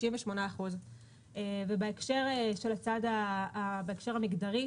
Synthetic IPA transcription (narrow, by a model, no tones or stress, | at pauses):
iɱveʃmo̞naaχuz | evebaekʃe̞ʁeʃe̞lat͡sadaabaekʃe̞ʁamiɡdaʁi